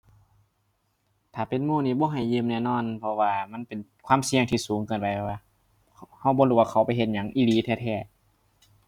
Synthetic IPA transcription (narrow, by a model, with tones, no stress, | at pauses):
t̪ʰaː˨˩pe˨nmuː˧˨niː˧˩bɔː˧˦ɦa˧˨˩jːɯː˧˨mnɛː˧˨nɔː˧˥˨npʰɔ˧waː˧ma˧˥˨npe˨nkʰwaː˧˥˨msi˧əŋt̪ʰiː˧˩suː˨˦ŋkʰɯː˧˩˨npa˧˦jʰwaː˧ | ha˧˩wbɔː˧luː˧˩waː˧kʰa˨˩˦wpa˧˦jɦe˧t̪̚ɲa˧˦ŋʔiː˧˨liː˨˦t̪ʰɛː˧˩t̪ʰɛː˧˩